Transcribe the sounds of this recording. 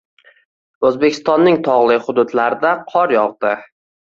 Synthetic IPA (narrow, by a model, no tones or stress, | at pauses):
ɵzbekʲʰɪ̥st̪ɒnːɪŋt̪ʰɒʁlˠɪχʊd̪ʊd̪laɾɪd̪aqʰɒɾjɒʁd̪ɪ